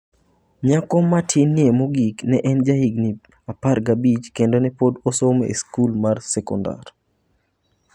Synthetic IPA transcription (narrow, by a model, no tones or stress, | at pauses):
ɲakɔmatʰjenːiemoɡiknɛʔɛnd͡ʒahiɡni | aparɡabit͡ʃkendonɛpodosomḛskulmarsɛkɔnda̰r